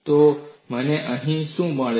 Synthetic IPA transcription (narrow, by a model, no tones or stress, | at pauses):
t̪oməneʔə̃ɦĩʃũməɭ